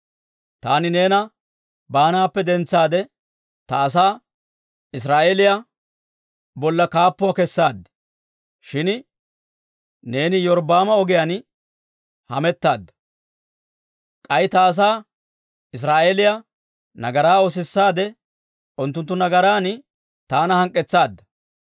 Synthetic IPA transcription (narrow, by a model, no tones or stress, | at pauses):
t̪aːnɪne̞ːnɐ | baːnaːpːɛd̪ɛnt͡sːaːd̪ɛ | t̪ɐːs̬aː | ɪs̬ɾaːʔeːlɪja | bɔlːɐkaːpːʊwakɛsːaːd̪ːɛ̥ | ʃɪn | ne̞ːnɪjɔɾbaːmɐɔɡɪjɐn | hɐmɛt̪ːaːd̪ːɐ̥ | kʼɐjt̪aːs̬aː | ɪs̬ɾaːʔeːlɪja | nɐɡɐɾaːos̬ɪsːaːd̪ɛ | ʊnt̪ːʊnt̪ːʊnɐɡɐɾaːn | t̪aːnɐhɐŋkʼːɛt͡sːaːd̪ːɐ